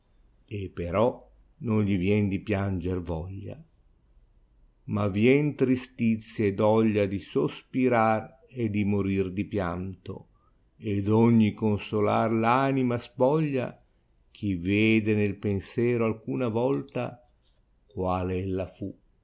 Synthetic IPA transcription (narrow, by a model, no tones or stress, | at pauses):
epːeɾɔ | nonʎivjɛnd̪ipjand͡ʒervɔʎːa̰ | mavjɛnt̪ɾist̪it̪sːjed̪ɔʎːad̪isospiɾar | ed̪imoɾird̪ipjant̪o̰ | ed̪ɔɲːikonsola̰rlaːnimaspɔʎːa̰ | k̟ʰiveːd̪enelpensjɛːɾoalkuːnavɔlt̪a̰ | kwaːlelːafu